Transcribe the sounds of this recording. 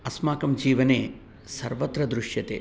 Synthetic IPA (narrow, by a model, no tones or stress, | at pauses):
ɐsmaːkɐmd͡ʒiːʋɐneː | sɐɾʋɐt̪ɾɐd̪ɾuʂjɐt̪ḛː